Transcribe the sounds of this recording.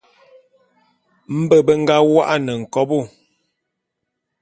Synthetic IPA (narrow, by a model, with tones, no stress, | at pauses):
m̩˦bə˦˨bə˦ŋ̩˦ɡa˦wa˦ʔa˦nə˨ŋ̩˨kɔ˦bu˦˨